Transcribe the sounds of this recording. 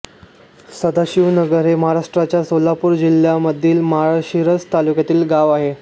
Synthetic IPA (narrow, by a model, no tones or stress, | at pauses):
səd̪aɕiʋnəɡəɾɦeməɦaɾaʂʈɾat͡ɕjasolapuːɾd͡ʑil̤jaməd̪ʱːiːlməɦaɾaɕiɾət͡st̪alukjat̪iːlɡaʋaɦe